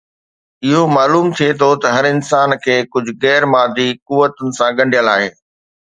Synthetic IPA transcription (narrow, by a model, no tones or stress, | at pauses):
ɪɦomaːluːmt̪ʰiet̪ʰot̪ɐɦɐɾɪnsaːnkʰeːkʊd͡ʑʱʊɣɛːɾmãːd̪ikʊʋət̪ʊnɪ̆sãɡɐ̃ɳɖʱijəlaːɦeː